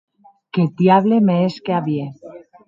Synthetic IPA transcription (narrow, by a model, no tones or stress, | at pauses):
ket̪jaβlemeeskeaβje